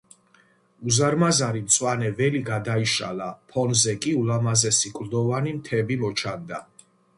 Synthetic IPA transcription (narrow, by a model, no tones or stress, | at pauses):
uzaɾmazaɾimt̪sʼwanɛvɛliɡad̪aiʃa̰lapʰɔnzɛkʼiulamazɛsikʼɾd̪ɔvanimt̪ʰɛbimɔt͡ʃʰand̪a